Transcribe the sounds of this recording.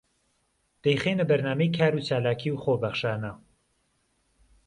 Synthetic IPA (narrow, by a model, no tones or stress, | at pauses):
d̪̥ejχeːnəbɐɾnaːmejkʰaːɾuːt͡ʃʰaːlaːkʰiːwχoːbɐχʃaːnɐ